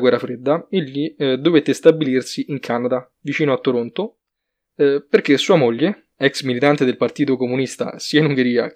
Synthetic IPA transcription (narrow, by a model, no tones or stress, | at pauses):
ɡwɛrːafɾed̪ːaeʎːid̪ovet̪ːest̪abːilirsiʔiŋkʰanad̪a | vit͡ʃiːnoat̪ːoɾont̪o | perkesːuːamoʎːe | ɛksmilit̪ant̪ed̪elpart̪iːt̪okomunist̪a̰siːainuŋɡeɾiːa̰